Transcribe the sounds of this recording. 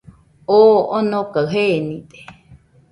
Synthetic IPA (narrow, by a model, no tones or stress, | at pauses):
oonõkaɰɦenĩt̪e̥